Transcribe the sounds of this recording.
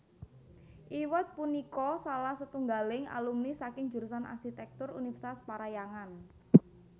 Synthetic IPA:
ʔiwət̪̚punikɔsalahsət̪uŋɡalɪŋa̰lumnisakɪŋ̥d͡ʒ̥uɾusana̰rsit̪ɛk̚t̪ʊrṵnifrt̪aspaɾajaŋan

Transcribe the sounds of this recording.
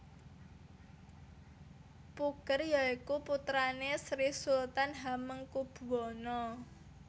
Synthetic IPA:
pukərjɔikuput̪ɾanesɾihsult̪anɦaməŋkub̥uwɔnɔ

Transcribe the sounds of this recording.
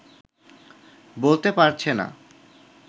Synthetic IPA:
bolt̪epaɾt͡ɕʰena̰

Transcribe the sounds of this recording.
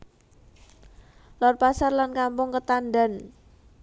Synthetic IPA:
lɔrpasarlankampʊŋkət̪anda̤n

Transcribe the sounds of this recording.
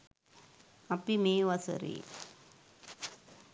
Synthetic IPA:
ɐpːimeːʋɐsɐ̰ɾḭ

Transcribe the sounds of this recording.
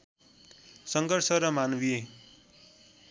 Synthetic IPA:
sʌŋɡʌrsʌɾʌmanbie

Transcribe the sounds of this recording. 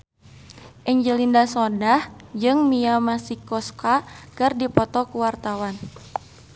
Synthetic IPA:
ʔɛɲd͡ʒəlindasɔdahd͡ʒɨŋmiamasikɔskakɨrdipɔt̪ɔkuwart̪awan

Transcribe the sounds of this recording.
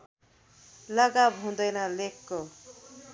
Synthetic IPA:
lʌɡabɦũd̪ʌjnʌlekːo

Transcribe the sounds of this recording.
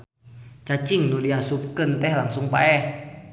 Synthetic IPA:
t͡ʃat͡ʃiŋnuliasup̚kənt̪ɛhlaŋsuŋpa̰ɛh

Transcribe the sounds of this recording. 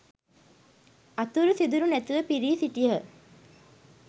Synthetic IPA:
at̪uɾusid̪uɾunæt̪uʋəpiɾiːsiʈiɦə

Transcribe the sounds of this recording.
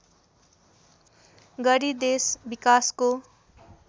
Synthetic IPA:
ɡʌɾid̪esbikasko

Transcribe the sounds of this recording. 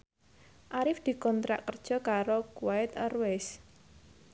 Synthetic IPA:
ʔaɾɪfd̪̥i̤kɔnt̪ɾa̰ʔkərd̥ʒ̥ɔ̤kaɾokwaɪt̪ərwɛs

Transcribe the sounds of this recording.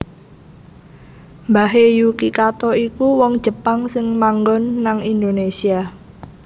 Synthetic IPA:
mbaɦejukikat̪ɔikuwɔŋd̥ʒ̥ə̤paŋsɪŋmaŋɡɔnːaŋind̪onesia

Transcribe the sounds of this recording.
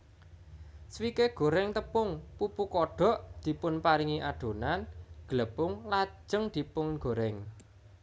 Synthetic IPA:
swikeɡ̥o̤ɾɛŋt̪əpʊŋpupukɔɖ̥ɔ̤ʔd̪̥i̤pʊnpaɾiŋiʔaɖ̪̥o̤nanɡ̥ələpʊŋlḁd͡ʒʒ̥əŋd̪̥i̤pʊŋɡ̥o̤ɾɛŋ

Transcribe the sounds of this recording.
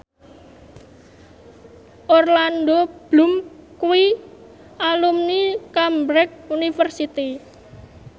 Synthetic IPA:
ʔɔrlandob̥lumkui | alumnikambɾɛk̚unifərsit̪i

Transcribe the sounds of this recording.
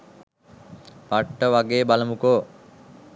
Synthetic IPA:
paʈːəʋaɡeːbaləmukoː

